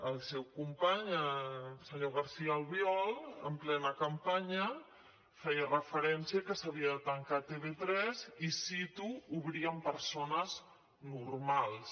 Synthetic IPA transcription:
əlˠsɛwkumpaɲəsəɲoɣəɾsiaəlβiɔlə̰mplɛnəkəmpaɲə | fɛjərəfəɾɛnsiəkəsəβ̞iəðət̪əŋkat̪eβet̪ɾɛzisit̪uuβɾiəmpəɾsonəz | nuɾmalˠs

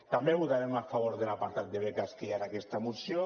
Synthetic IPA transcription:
t̪ambeβuðaɾemafaβoɾðelapaɾt̪at̪̚d̪eβekast̪iaɾakest̪aemusjo

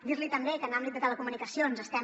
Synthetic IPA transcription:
d̪iɾlit̪əmbekənamblit̚d̪ət̪ələkumunikəsionzəst̪ɛ

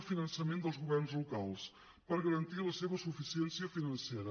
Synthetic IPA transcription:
finənsəmend̪əlˠzɣuβɛrnzlukalˠs | pəɾɣəɾənt̪iləseβəsufisiɛnsiəfinənseɾə

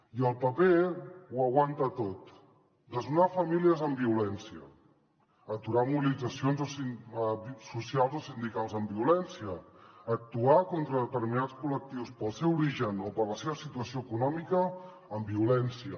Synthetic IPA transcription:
iəlˠpəpewəɣ̞want̪ət̪ot̪ | d̪əzunafəmiliəzəmbiulɛnsiə̰ː | t̪uɾamuβilid͡zəsionzosi | susialˠzosind̪ikalˠzəmbiulɛnsiəːk̚t̪uakɔnt̪ɾəðət̪əɾminat͡skulək̚t̪iwspəlˠsɛwuɾiʒənopəɾləseβəsit̪uəsioəkunɔmikəː | mbiulɛnsiə

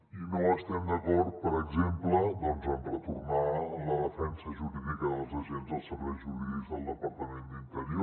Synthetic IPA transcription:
inoəst̪ɛmd̪əkɔɾt̪̚pəɾəɡzempləd̪ɔnzɛmrət̪uɾnaəlləðəfɛnsəʒuɾiðikəðəlˠzəʒɛnzəlˠsəβɛʒuɾiðizəlˠːəpəɾt̪əmend̪int̪əɾio

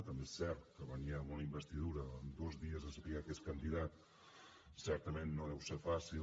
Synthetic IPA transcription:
t̪əmbesɛɾt̪̚kəβəniamunəimbəst̪iðuɾəːnd̪ozðiəzəsəpiɣakeskənd̪iðat̪̚ | sɛɾt̪əmenːoðɛwsefasi

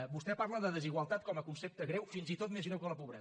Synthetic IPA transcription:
bust̪ɛpaɾləðəðəziɣwəlˠt̪at̪̚kɔməkunsep̚t̪əɣɾewfinzit̪ot̪mezɣɾɛwkələpuβɾɛ

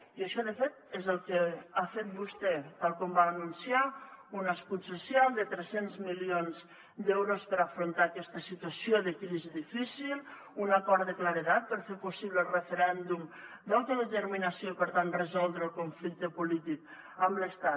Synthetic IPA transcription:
iəʃɔðəfet̪̚ezəlˠkeafet̪̚bust̪ɛt̪alˠkɔmbaːnunsiaunəspusesjalˠd̪ət̪ɾesenzmilionz | d̪ɛwɾospəɾafɾont̪aːkɛst̪əsit̪uasioðəkɾiziðifisilˠ | unakɔɾt̪əklaɾet̪at̪̚pəɾfeɾpusiβləlˠrefəɾɛnd̪umd̪alˠt̪əðət̪əɾminasjoipəɾt̪anrəzɔlˠd̪ɾəlˠkouɱflik̚t̪əpulit̪ik̚ | əmləst̪a

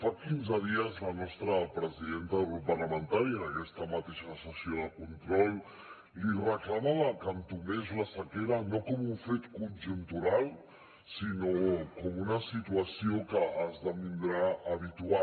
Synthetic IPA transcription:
fakinzəð̞iəzlənɔst̪ɾəpɾəziðent̪əupərləmənt̪aɾiənəkɛst̪əmət̪eʃəsəsioðəkunt̪ɾɔlˠ | lirəklamaβəkənt̪umezləsəkeɾənokɔmuɱfet̪kunʲʒunt̪uɾalˠ | sinokɔmunəsit̪uəsiokəʔːzðəmind̪ɾaəβ̞it̪ua

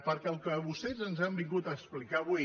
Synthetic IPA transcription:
pəɾkɛəlˠkəβust̪ɛzənzambiŋɡut̪əːksplikaβui

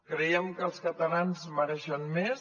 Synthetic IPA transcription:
kɾəjɛmkəlˠskət̪əlanzməɾɛʃənmes

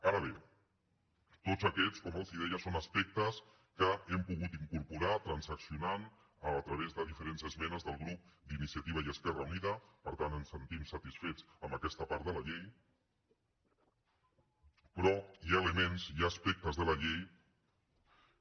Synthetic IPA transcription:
aɾəβe | t̪ozəkɛt͡skɔmelˠziðɛjəsonəspɛk̚t̪əs | kəɛmpuɣ̞ut̪iŋkuɾpuɾat̪ɾənsəksiunan | ət̪ɾəβ̞ezðəðifəɾenzəzmɛnəzðəlˠɣɾup̚d̪inisiət̪iβ̞əiəskɛrəuniðəpəɾt̪anənsːənt̪imsət̪isfet͡səmbəkɛst̪əpaɾt̪ðəlɐʎej | pɾɔjaeləmenzjaːspɛk̚t̪əzðəlɐʎej

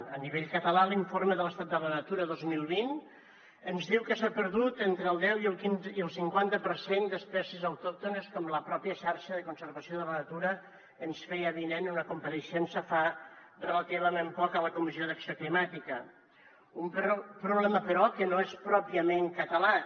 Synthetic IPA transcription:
əniβ̞eʎkət̪əlaliɱfoɾməðələst̪at̪d̪ələnət̪uɾəðozmilˠβin | ənzðiwkəsapəɾðut̪ent̪ɾəːlˠd̪ɛwilˠkiniəlˠsiŋkwant̪əpəɾsend̪əspɛsiəzəwt̪ɔk̚t̪unəskɔmləpɾɔpiəʃaɾʃəðəkunsəɾβəsioðələnət̪uɾəː | nsfejəβinenunəkumpəɾəʃɛnsəfarələt̪iβəmempɔkələkumizioðəksioklimat̪ikə | umppɾuβlɛməpəɾɔkənoespɾɔpiəmeŋkət̪əla

